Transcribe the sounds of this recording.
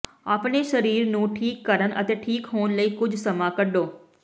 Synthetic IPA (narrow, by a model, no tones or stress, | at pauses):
aːpɳeːʃəɾiːɾnũːʈʰiːkːəɾənʔə̰t̪eːʈʰiːkɦoːnləiːkʊd͡ʒʱsəmãːkəɖoː